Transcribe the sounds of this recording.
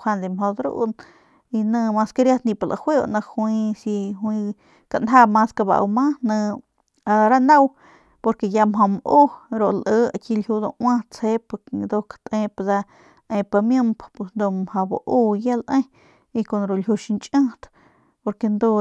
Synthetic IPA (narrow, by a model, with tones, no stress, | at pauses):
kʰʷa˧nd̪i˧mɦo˧d̪ɾṵ˦ʔn | i˧nə̃˧ma˧ska˧ɾja˦t̪nĩ˧pa˧lʔa̰˧hwʷe˦o̰˧ʔnã˧hwĩ˧si˧hwĩ˧ | ka˧˨ʔnɦa˦ma˧ska˧ba̰˧ʔmã˦nə̃˧ | a˧ɾa˦na˦w | po˧ɾke˧ja˧mɦo˧mʔu˦ɾo˨ʔlʔə˧a˧ki˧lhu˧d̪o˧ʔwã˦t͡she˧˦pa˧d̪o˧kḁt̪ʔẽ˧pa˧da˧ | ʔẽ˧pa˧mjə˦mppe˧snd̪o˧mhã˧ba̰˧ʔu˦ja˦lʔẽ˦ | i˧ko˧˨nɾo˨lju˧ʃi˧nt͡ʃʼə̃˦t̪ | po˧ɾke˧nd̪o˧